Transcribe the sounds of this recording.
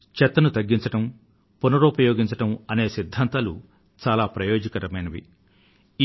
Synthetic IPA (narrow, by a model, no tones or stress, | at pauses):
t͡ʃɛt̪ːɐnut̪ɐɡːiɲt͡ʃɐʈɐm | punɐɾoːpɐjoːɡiɲt͡ʃɐʈɐmɐne̞ːsid̪ʱːaːnt̪aːlṵ | t͡ʃaːlaːpɾɐjo̞ːd͡ʒɐkɐɾɐmɐjnɐʋḭ